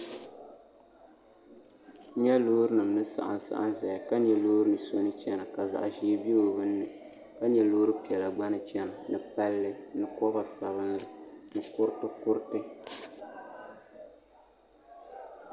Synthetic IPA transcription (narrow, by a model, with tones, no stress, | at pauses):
ɲɛ˦loː˦ɾɨ˦nɨ˨mnɨ˦sa̰˨ʔa̰˨n˨sa̰˦ʔa̰˦n˦zɛ˨ja˨ka˦ɲɛ˨loː˦ɾɨ˦nɨ˨so˦nɨ˦t͡ʃɛ˦na˨ka˨za̰˨ʔʒi˦bi˦o˨bɨ˦nːɨ˨ | ka˦ɲɛ˨lo˦ɾɨ˦pi˨ɛ˨la˨ɡ͡ba˦nɨ˨t͡ʃɛ˦na˨nɨ˨pa˦lːɨ˦nɨ˨kɔ˦ba˨sa˨βɨ˦n˦ɾɨ˨nɨ˨kʊ˦ɾtɨ˦kʊ˦ɾtɨ˦